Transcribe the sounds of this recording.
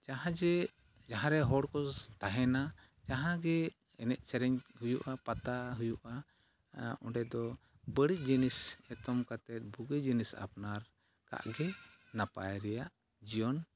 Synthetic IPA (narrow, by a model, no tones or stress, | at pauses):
d͡ʒaɦãd͡ʒɛ | d͡ʒaɦãɾɛɦɔɽkɔt̪aɦɛna | d͡ʒaɦãɡɛ | ɛnɛʔ̪̚ˀt͡ʃɛɾɛɲhujuʔapat̪aɦujuʔa | ɔ̰̃ɖɛd̪ɔ | bəɽic̚ˀd͡ʒinisɛt̪ɔmkat̪ɛt̪̚buɡəd͡ʒinisa̰pnaɾ | ka̰ʔɡɛnapa̰jɾɛjaʔ | d͡ʒijɔn